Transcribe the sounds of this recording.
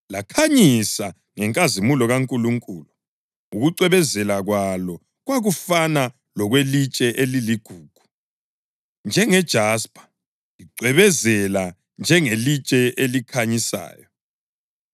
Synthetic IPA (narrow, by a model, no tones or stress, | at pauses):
lakʰaɲisa | ŋɛŋkʼazimulɔɣaŋkʼuluŋkʼuːlu | uɣuǀwɛβɛzɛlaɣwalɔ | ɣwaɣufana | lɔɣwelit͡ʃʼɛʔeliliɡ̥ʱuːɡ̥ʱu̥ | nd͡ʒʱɛŋɛd̥ʒ̥ʱaspʼḁ | liǀwɛβɛzɛla | nd͡ʒʱɛŋelit͡ʃʼɛʔelikʰaɲisa̰ːjɔ